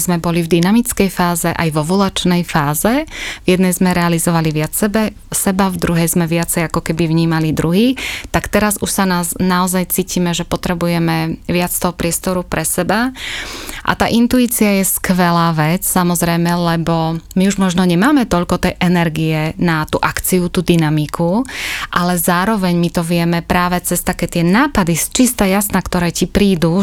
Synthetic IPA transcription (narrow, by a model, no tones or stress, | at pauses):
zmɛbɔlivd̪inamit͡skɛjfaːzɛʔa̰jʋɔʋulat͡ʃnɛjfaːzɛvjɛd̪nɛjzmɛɾɛalizɔʋaliʋɪat͡ssɛbɛ | sɛbavd̪ɾuɦɛjzmɛʋɪat͡sɛjakɔkɛbivɲiːmalid̪ɾuɦiːt̪akt̪ɛɾazuʃsanaːznaɔzajt͡siːcimɛʒɛpɔt̪ɾɛbujɛmɛʋɪat͡st̪ɔɦɔpɾɪɛst̪ɔɾupɾʔɛsɛba | ʔa̰t̪a̰ːʔint̪uiːt͡siajɛskʋɛlaːʋɛt͡ssamɔzɾɛjmɛlɛbɔmiuʒmɔʒnɔɲɛmaːmɛt̪ɔʎkɔt̪ɛjʔɛnɛɾɡiɛnat̪uːʔakt͡siut̪uːd̪inamikʰuʔalɛzaːɾɔʋɛɲmit̪ɔʋɪɛmɛpɾaːʋɛt͡sɛst̪akːɛt̪ɪɛnaːpad̪ist͡ʃist̪ajasnakt̪ɔɾɛːcipɾiːd̪u